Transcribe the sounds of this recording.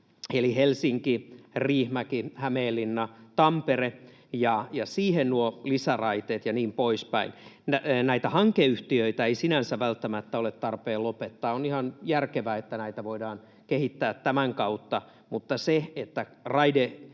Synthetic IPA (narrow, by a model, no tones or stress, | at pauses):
elihelsiŋkiriːhmækihæmeːlːinːɑt̪ɑmpere | jɑjɑsiːhennuolisærɑit̪eːt̪jɑniːmpoispæinnænæit̪æhɑŋkeyht̪iøit̪æeisinænsæʋælt̪ːæmæt̪ːæolet̪t̪ːɑrpeːlopet̪ːɑːonihɑnjærkeʋæet̪ːænæit̪æʋoidɑːn | kehit̪ːæːt̪tæmæŋkɑut̪ːɑ | mut̪ːɑseet̪ːærɑide